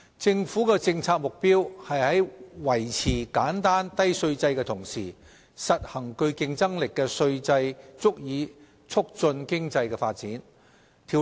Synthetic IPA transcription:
t͡sɪ˧ŋfuː˨˥kɛː˧t͡sɪ˧ŋt͡sʰaː˧k̚mʊ˨k̚piː˥whɐ˨jhɐ˨˥jwɐ˨˩jt͡sʰiː˨˩kaː˨˥nt̪aː˥nt̪ɐ˥jsɵ˧ɥt͡sɐ˧jkɛː˧t̪ʰʊ˨˩ŋsiː˨˩ | sɐ˨t̚hɐ˨˩ŋkɵ˧ɥkɪ˧ŋt͡sɐ˥ŋlɪ˨kːɛː˧sɵ˧ɥt͡sɐ˧jt͡sʊ˥k̚jiː˨˧ | t͡sʰʊ˥k̚t͡sɵ˧nkɪ˥ŋt͡sɐ˧jkɛ˧faː˧t̚t͡siː˨˥n | t̪ʰiː˨˩

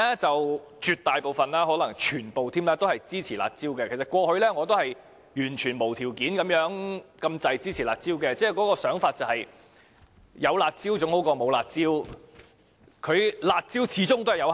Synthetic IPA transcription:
ɛ˥t͡sɐ˨w | t͡ʃyː˨˧t̚t̪aː˨jpo˨wfɐ˨˩nlaː˥ɦɔː˨˥lɐ˨˩ŋt͡ʃʰyː˨˩npo˨wt̪ʰiː˥mlɛː˥t̪o˥whɐ˨jt͡siː˥t͡sʰiː˨˩la̰ː˨t̚t͡siː˥wkɛː˧kʰe˨˩sɐ˨t̚kʷɔː˧hɵ˧ɥlɛː˥ŋɔː˨˧t̪̬o˥whɐ˨j | jyː˨˩nt͡ʃʰyː˨˩nmo˨˩wt̪ʰi˨˩wkiː˨˥nkɐ˨˥mjœː˨˥ŋkɐ˧mt͡sɐ˨jt͡siː˥t͡sʰiː˨˩laː˨t̚t͡siː˥wkɛː˧t͡sɛː˥˩kɔː˨˥kɔː˧sœː˨˥ŋfaː˧t̚t͡sɐ˨˧whɐ˨j | jɐ˨˧wlaː˨t̚t͡siː˥wt͡sʊ˧˥ŋho˨˥wkɔː˧mo˨˧wla̰ː˨t̚t͡siː˥w | kʰɵ˨˧ɥlaː˨˧t̚t͡siː˥wt͡sʰiː˨˥t͡sʊ˥ŋt̪o˥hɐ˨jɐ˨˧w

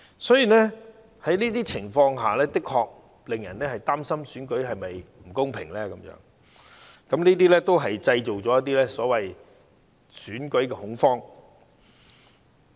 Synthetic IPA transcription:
sɔː˨˥jiː˨˩nɛː˥ | hɐ˨˥jniː˥t̪iː˥t͡sʰɪ˨˩ŋfɔː˧ŋɦaː˨lɛː˥t̪ɪ˥kʰɔː˧k̚ | lɪ˨ŋjɐ̰˨˩nɛː˥hɐ˨jt̪aː˥msɐ˥msyː˨˥nkɵ˨˥ɥɦɐ˨jmɐ˨jm̩˨˩kʊ˥ŋpʰɪ̰˨˩ŋlɛː˥kɐ˨˧˥mjœ̰ː˨˧˥ŋ | kɐ˨˦mniː˥t̪̬iː˥lɛː˥t̪o˥wɦɐ˨jt͡sɐ˧jt͡ʃo˨wt͡sɔː˨˦jɐ˥t̪̚iː˥lɛː˥sɔː˨˥wɐ˨j | syː˨˥nkɵ˨˥ɥkɛː˧hʊ˨˥ŋfɔː˥ŋ

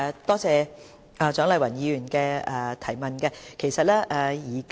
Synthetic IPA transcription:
t̪ɔː˥t͡sɛː˧ | ɛː˨˧t͡ʃœː˨˥ŋlɐ˨jwɐ˨˩njiː˨˧˥ɥyː˨˩nkɛː˧ɛː˧t̪ʰɐ˨˩jmɐ˨˩nkɛ˧kʰe˨˩jsɐ˨t̚lɛː˥ʔɛː˨˩jiː˨˩k

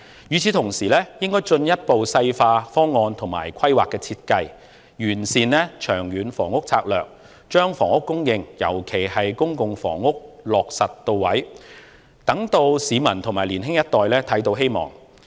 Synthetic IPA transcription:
jyː˨˧t͡sʰi˨˧t̪ʰʊ˨˩ŋsiː˨˩lɛː˥jɪ˥ŋkɔː˥jt͡ʃɵ˧njɐ˥t̚po˨wsɐ˧jfaː˧fɔː˥ŋːɔː˧nt̪ʰʊ˨˩ŋma̰ː˨˩jkʷʰɐ˥jwa̰ː˨kːɛː˧t͡sʰiː˧t̚kɐ˧j | jyː˨˩nsiː˨˩nlɛː˥t͡ʃʰœː˨˩ŋjyː˨˧nfɔ̰ː˨˩ŋʊ˥k̚t͡sʰaː˧k̚lœ̰ː˨˩k̚ | t͡ʃœː˥ŋfɔː˨˩ŋʊ˥kːʊ˥ŋjɪ˧ŋjɐ̰˨˩wkʰe˨˩jhɐ˨jkʊ˥ŋkʊ˨ŋfɔ̰ː˨˩ŋːʊ˥k̚lɔː˨k̚sɐ˨tt̪o˧wwɐ˨˥j | t̪ɐ˨˥ŋt̪o˧wsiː˨˧mɐ˨˩nt̪ʰʊ˨˩maː˨˩jliː˨˩nɦɪ˥ŋjɐ˥t̪̚ɔː˨jlɛː˥t̪ʰɐ˨˥jt̪o˧wɦe˥jmɔ̰ː˨˩ŋ

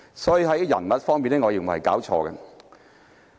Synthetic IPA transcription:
sɔː˨˥ji˨˧ɦɐ˨˦jjɐ̰˨˩nmɐ˨t̚fɔː˥ŋmiː˨nɛː˥ŋɔː˨˧jiː˨˧˩m˨˩hɐ˨jka̰ː˨˥wt͡ʃʰɔ̰ː˧ɡɐ̰˧

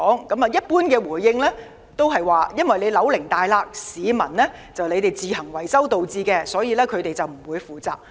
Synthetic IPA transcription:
ɔː˨˥ŋkɐ˨˥mɐ˨jɐ˥t̚puː˥nkɛː˧wuː˨˩jːɪ˧ŋlɛː˥ | t̪o˥wɦɐ˨jwaː˨jɐ˥nwɐ˨jle˨˧jlɐ˨˥wlɪ˨˩ŋt̪aː˨jlaː˧k̚siː˨˧mɐ˨˩nlɛː˥t͡sɐ˨wle˨˧jt̪e˨jt͡siː˨hɐ˨˩ŋwɐ˨˩jsɐ˥wt̪o˨wt͡siː˧kɛː˧sɔː˨˥jiː˨˧lɛː˥kʰɵ˨˧ɥt̪e˨jt͡sɐ˨wm̩˨˩wuː˨˧jfuː˨t͡sa̰ː˨p̚

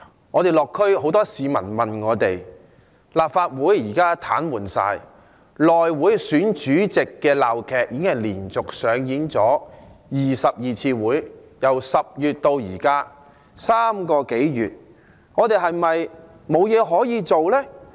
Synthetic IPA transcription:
ŋɔː˨˧t̪e˨jlɔː˨˩kʰːɵ˥ɥho˨˥wt̪ɔː˥siː˨˧mɐ̰˨˩nmɐ˨nŋɔː˨˧t̪e˨j | laː˨˩p̚faː˧t̚wuː˨˥jːiː˨˩kaː˥t̪ʰa̰ː˨˥nwuː˨˩nsa̰ː˧j | lɔː˨jwuː˨˥jsyː˨˥nt͡ʃyː˨˥t͡sɪ˨kːɛː˧laː˨wkʰɛː˨k̚jiː˨˧kɪ˥ŋɦɐ˨˩jliː˨˩nt͡sʊ˨k̚sœː˨˧ŋjiː˨˥nt͡sɔː˨˥jiː˨sɐ˨p̚jiː˨˧t͡sʰiː˧wuː˨˥jjɐ˨˩wsɐ˨p̚jyː˨t̚t̪o˧wjiː˨˩kaː˥ | saː˥mkɔː˧ke˨˥jjy̰ː˨t̚ | ŋɔː˨˧t̪e˨jɦɐ˨jmɐ˨j | mo˨˧wjɛː˨˧ɦɔː˨˥jiː˨˧t͡so˨wlɛː˥

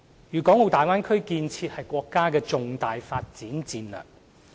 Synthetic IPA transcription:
jyː˨˩kɔː˨˥ŋo˨˧wt̪aː˨jwaː˥nkʰɵ˥ɥkiː˧nt͡sʰiː˧t̚hɐ˨jkʷɔː˧kːaː˥kɛː˧t͡sʊ˨ŋt̪aː˨jfaː˧t̚t͡siː˨˥nt͡siː˧nlœ̰ː˨˩k̚

